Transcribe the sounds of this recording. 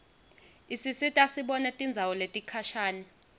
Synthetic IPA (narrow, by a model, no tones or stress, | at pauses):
isisitʼasiɓɔnɛtʼind͡zʱawɔletʼikʰaʃaːnɛ